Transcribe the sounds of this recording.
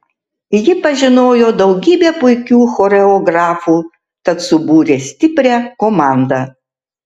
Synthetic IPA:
jɪpɐʒʲɪnoːjoːd̪ɒʊɡʲiːbʲeːpʊɪkʲuːxoːɾʲɛoːɡɾɑːfuː | t̪ɐt̪sʊbuːɾʲeːsʲt̪ʲɪpʲɾʲæːkomɑˑnd̪ɑ

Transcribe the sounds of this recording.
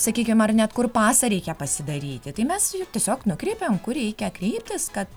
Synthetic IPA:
sɐkʲiːkʲɪmɐrnʲɛt̪kʊrpɑːsɐɾʲɛɪkʲɛpɐsʲɪd̪ɐɾʲiːt̪ʲɪt̪ɐɪmʲɛsjt̪ʲiɛsʲoːknʊkɾʲɛɪpʲemkʊrɾʲɛɪkʲɛkɾʲɛɪp̚ʲt̪ʲɪskɐt̪

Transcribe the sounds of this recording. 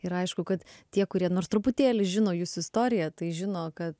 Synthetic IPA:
ɪɾɐɪʃkʊkɐt̪tʲiɛkʊɾʲiɛnoːɾst̪ɾʊpʊt̪ʲeːlʲɪʒʲɪnoːjuːsʊɪst̪oːɾʲɪjɛt̪ɐɪʒʲɪnoːkɐt̪

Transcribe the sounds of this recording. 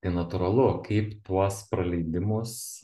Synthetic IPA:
t̪ɐɪnɐt̪ʊɾɐlˠʊkɐɪpt̪uɔspɾɐlʲɛɪd̪ʲɪmʊs

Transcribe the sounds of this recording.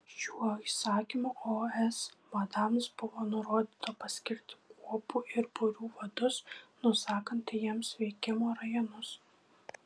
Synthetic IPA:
ʃʲuɔisɑːkʲimuːʔoːɛsmɐd̪ɑmsbʊʋoːnʊɾoːd̪ʲiːt̪opɐsʲkʲɪɾʲt̪ʲɪ̥kuɔpuːʔɪɾbʊɾʲuːʋɐd̪ʊsnʊsɑːkɐnt̪ʲjiɛmsʋʲɛɪkʲɪmoːɾɐjonʊs

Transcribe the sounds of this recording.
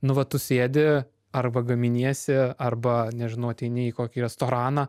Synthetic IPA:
nʊʋɐt̪ʊsʲeːd̪ʲɪ | ɐrbɐɡɐmʲɪnʲiɛsʲɪɐrbɐnʲɛʒʲɪnɐʊɐt̪ʲɛɪnʲɪiːkoːkʲiːɾʲɛst̪oːɾɑːnɑː

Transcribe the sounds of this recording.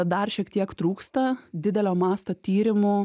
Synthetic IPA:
d̪ɐrʃʲiɛkt̪ʲiɛkt̪ɾuːkst̪ɐd̪ʲɪd̪ʲɛlʲoːmɑːst̪oːt̪ʲiːɾʲɪmʊ

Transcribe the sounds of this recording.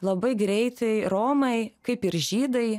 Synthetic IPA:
lˠɐbɐɪɡɾʲɛɪt̪ɐɪɾoːmɐɪkɐɪpɪɾʒʲiːd̪ɐɪ

